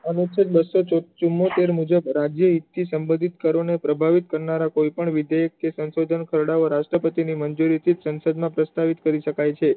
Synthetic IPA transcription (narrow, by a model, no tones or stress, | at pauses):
ənusəd͡ʒbəsːot͡ʃot͡ʃumːot̪eɾmud͡ʒəbɾad͡ʒjəɦit̪ʰːisəmbəd̪ʱit̪kəɾonepɾəbʱaʋit̪kəɾnaɾakojpəɳʋɪd̪jajək̪̚esənsod̪ʱənkʰəɾɽaoɾaʃʈɾəpət̪inimənd͡ʒuɾit̪ʰit̪sənsəd̪mãpɾəst̪aʋit̪kəɾiʃəkajt͡ʃʰe